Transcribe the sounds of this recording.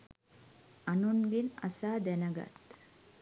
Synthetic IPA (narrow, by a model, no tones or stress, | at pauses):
ɐnuŋɡenɐ̰saːd̪ɛnɐɡɐ̰t̪